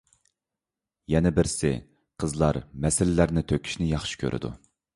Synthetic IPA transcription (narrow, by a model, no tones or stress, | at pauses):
jɛnɛbɪɾsɪ̰ | qʰəzlˠɑɾmɛsɪlːæɾnɪt̪ʰøkʲʰi̥ʃnɪjɑχʃi̥kʲʰø̰ɾʔɪ̰d̪ṵ